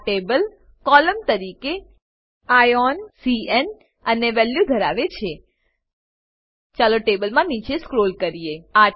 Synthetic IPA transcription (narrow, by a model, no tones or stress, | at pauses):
ʈebəl | kɔləmt̪əɾike | ajɔnsien | əneʋɛljud̪ʱəɾaʋet͡ʃʰe | t͡ʃaloʈebəlmãnit͡ʃʰeskɾolkəɾijea